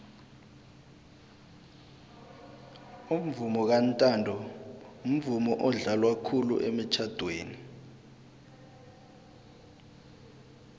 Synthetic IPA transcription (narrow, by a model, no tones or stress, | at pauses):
um̩vumɔk̬antʼandʱɔum̩vumɔʔɔɮalwakʰulṵʔemit͡ʃʰad̥ʱweːni